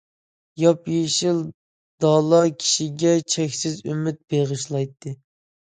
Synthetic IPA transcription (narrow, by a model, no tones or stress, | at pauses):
jɑpjeʃilˠ | d̪̥ɑlˠɑkʲʰi̥ʃiɡʲɛt͡ʃʰɛkʲsɪzymɪt̪̚b̥eʁɨʃlˠɑjt̪ʰːɨ